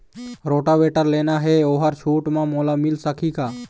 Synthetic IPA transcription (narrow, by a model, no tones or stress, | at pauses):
ɾoːʈaʋeːʈəɾleːnaɦeoːɦəɾʃʰuːʈmãmoːlamɪlsəkʰikaː